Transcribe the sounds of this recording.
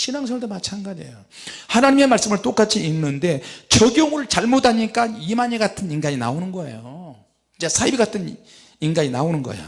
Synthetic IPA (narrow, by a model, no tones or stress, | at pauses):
ɕʰinaŋs̬ʰʌɭdomat͡ɕʰanɡad͡ʑḛjo | hanaɲimemaɭs͈ɯmɯɭt͈ok͈at͡ɕʰiːnːɯnde̞t͡ɕʌɡjoŋɯɭt͡ɕaɭmodaɲik͈animaɲeɡatʰɯninɡaɲina̰onɯnɡʌe̞̰jo | id͡ʑesʰaibiɡatʰɯn | inɡaɲinaonɯnɡʌ̰ḛjo̰